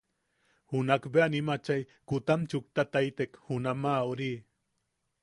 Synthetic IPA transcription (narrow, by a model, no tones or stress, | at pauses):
hunakbeanimat͡ʃaj | kut̪amt͡ʃuk̚t̪at̪ajt̪ekhunamauɾi